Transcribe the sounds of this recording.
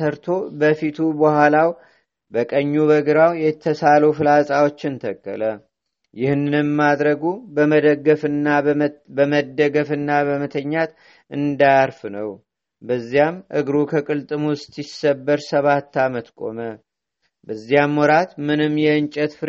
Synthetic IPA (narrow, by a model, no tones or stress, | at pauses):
əɾt̪ʰo̞bəfit̪ʰubəhʷalaw | bəkʼəɲːuβəɡɨɾawjɛt̪ʰːəsalofɨlasʼawo̞t͡ʃːɪnt̪ʰəkʼːə̰lə | jɪhnːɨnɨmːad̪ɾəɡubəəd̪əɡːəfɨnːabəməd̪ːəɡəfɨnːabəmət̪ʰəɲːat̪ | ʔɨnd̪ajaɾfnəw | bəzːijamʔɨ̰ɡɾukʰəkʼɨlt̪ʼɨmst̪isːəbːəɾsəβat̪ːamət̪kʼo̞̰mə | bəzːijamwɔɾat̪mɨnɨmjɛɨnt͡ʃʼət̪fɨɾ